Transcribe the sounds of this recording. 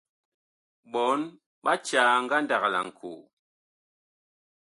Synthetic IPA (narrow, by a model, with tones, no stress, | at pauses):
ɓɔ˨˦n | ɓa˦t͡ʃaː˨˦ŋ̩˦ɡa˦nda˨kla̰˨ŋ̩˨kʰṵ˨